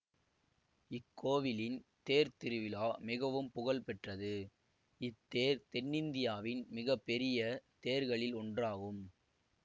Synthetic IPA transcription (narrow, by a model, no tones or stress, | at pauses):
ɪkːoːʋɪlɪnt̪eːɾt̪ɪɾɯʋɪlaːmɪɣɐʋɯmpʊɣɐlpɛʈrɐðɯ | ɪt̪ːeːɾt̪ɛɳːɪnd̪ɪjaːʋɪnmɪɣɐpːɛɾɪjɐt̪eːɾɣɐɭɪlɔɳdraːɣɯm